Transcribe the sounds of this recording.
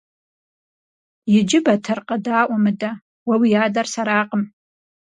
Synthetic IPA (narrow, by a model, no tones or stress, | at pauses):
jɪd͡ʒɪbatʰɨrqʼadaːʔʷamɨda | wawijaːdarsaɾaːqʼəm